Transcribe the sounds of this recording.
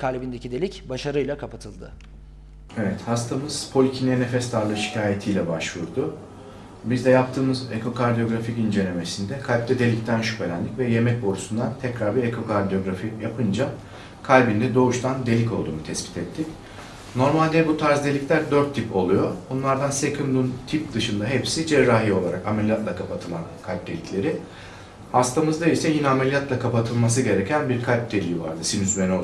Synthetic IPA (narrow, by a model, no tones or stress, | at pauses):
kʰalʲbind̪ecid̪elʲicbaʃaɾɯjlˠakʰapʰat̪ʰɯlˠd̪ɯ̰ | evɛt̪hast̪ʰamɯzpʰo̞lʲicʰinɛnefɛst̪ʰaɾlˠɯʃi̥cʰaːjet̪ʰijlʲɛbaʃvuɾd̪ʊ | bizd̪ɛjapt̪ʰɯːmɯzekʰo̞kʰaɾd̪ijo̞ɡɾaficind͡ʒe̞lʲe̞mesind̪ɛkʰalʲp̚t̪ʰɛd̪e̞lʲic̚t̪ʰænʃy̥pe̞ɾʲænd̪ʲicvɛje̞mɛc̚bo̞ɾusund̪ant̪ʰɛcɾaɾbiɾekʰo̞kʰaɾd̪ijo̞ɡɾafijapʰɯnd͡ʒa | kʰalʲbind̪ɛd̪o̞uʃt̪ʰand̪e̞lʲiko̞lˠd̪uːnut̪ʰɛspi̥t̪ʰɛt̪ʰːic | no̞ɾmalʲd̪ɛbut̪ʰaɾzd̪e̞lʲicʲlʲæɾd̪øɾt̪ʰːipo̞lˠujo̞bunlˠaɾd̪ansekʰɯmd̪unt̪ʰip̚d̪ɯʃɯnd̪aɦɛpsid͡ʒɛɾːaːɦio̞lˠaɾakamelʲijat̪lˠakʰapʰat̪ʰɯlˠankʰalʲp̚d̪elʲicʰʲlʲe̞ɾɪ | hast̪ʰamɯzd̪aisɛjinɛamelʲijat̪lˠakʰapat̪ʰɯlˠmas̬ɯɟe̞ɾecʰænbiɾkʰalʲp̚d̪e̞lʲiiva̰ɾd̪ɯsinyzveno